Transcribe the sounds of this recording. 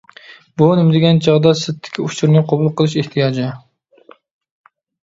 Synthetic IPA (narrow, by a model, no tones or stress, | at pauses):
bunɪmd̪ɪɡʲɛnt͡ʃʰɑʁd̪ɑsɨt̪ʰːɪ̥kʲʰiut͡ʃuɾnɨqʰobulˠqəlˠɨʃeht̪ʰijɑːd͡ʒɪ